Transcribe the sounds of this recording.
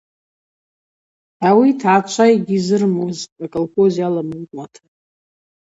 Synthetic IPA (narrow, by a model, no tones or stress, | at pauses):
awitʰaaːt͡ʃʷʰajɡʲizɨrmozakʼolχozijalamɨkʼmatʰḁ